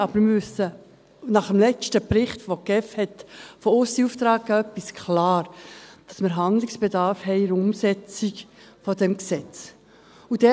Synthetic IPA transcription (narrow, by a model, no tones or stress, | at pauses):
ɑbəɾmɪʏsə | nɑχəmlɛt͡ʃtəpɾɪχtfokɛfhɛtfɔʊsdiuːft̪ɾɑːkɡaœpɪskʰlɑːɾd̥ɑsməɾɦɑnd̪lɪksb̥edɑɾfhɛɪɾʊmsɛt͡sik | fɔdɛmksɛt͡s | ud̥ɛ